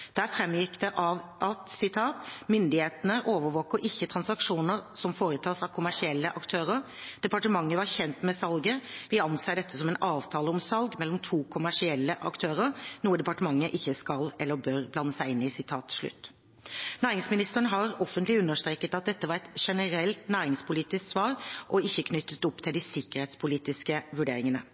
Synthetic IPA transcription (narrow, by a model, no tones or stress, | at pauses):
d̪̥æɾfɾɛmjɪkd̪ɛʔɑʋʔɑt̪sɪt̪ʰɑːt̪mʏnd̪ɪheːt̪ənəʔoːʋəɾʋoːkəɾʔɪçːət̪ʰɾɑnsɑkʂuːnəɾsɔmfoːɾət̪ʰɑːsɑʋkʰʊmæʂɪɛlːəʔɑkt̪ʰøːɾəɾ | d̪̥ɛpɑʈəmɑŋːəʋɑɾçɛnt̪mɛsɑlɡəʋɪɑnseːɖɛt̪ːəsɔmɛnʔɑːʋt̪ʰɑːləɔmsɑlɡmɛlːɔmt̪ʰuːkʰʊmæʂɪɛlːəʔɑ̰kt̪ʰøːɾəɾnuːəd̪ɛpɑʈəmɑŋːəʔɪçːəskɑlɛlːəbøːɾblɑnːəsæɪɪnːɪsɪt̪ʰɑːt̪ʂɭʉ̰t̪ː | næːɾɪŋsmɪnɪst̪əɳɦɑɾɔfənt̪lɪʉnːəʂt̪ɾeːkət̪ɑt̪̚d̪ɛt̪ːəʋɑɾɛt̪ʂɛnəɾɛlt̪næːɾɪŋspʰʊliːt̪ɪsksʋɑːɾʔɔɪçːəkʰnʏt̪ːət̪ɔpt̪ʰɪld̪ɪsɪkːəɾheːt̪spʰʊliːt̪ɪskəʋʉɖeːɾɪŋənə